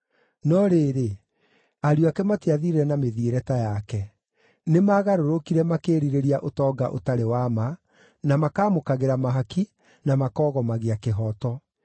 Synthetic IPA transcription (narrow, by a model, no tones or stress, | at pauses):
nɔɾeːɾe | aɾjoakɛmateaðiɾeɾɛnameðieɾɛtajakɛ | nemaːɣaɾoɾokiɾɛmakeːɾiɾeɾiaʔotɔːɡaʔo̰taɾewama | namakaːmokaɣeɾamaɦaki | namakɔːɣɔmaɣeakeɦɔtɔ